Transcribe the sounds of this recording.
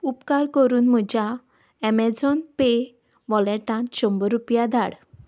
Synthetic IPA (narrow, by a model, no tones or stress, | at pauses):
upkaɾkəɾuːnm̤əd͡ʑa | ɛmɛd͡zɔnpe | ʋɔlɛʈãnɕɔmbəɾupjad̪ʱaɽ